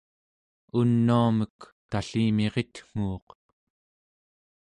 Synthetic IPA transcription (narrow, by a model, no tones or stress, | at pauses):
unːuamək | t̪aɬiːme̞ʁet̪ŋ̥uːq